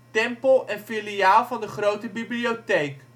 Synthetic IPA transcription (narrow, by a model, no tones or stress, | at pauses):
tɛmpəlˠɛnfiliaːlˠvɑndəχrowtəbibliowtejk